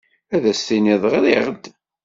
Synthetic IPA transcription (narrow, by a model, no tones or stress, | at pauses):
æðæsθiniðˤʁɾiʁəd̪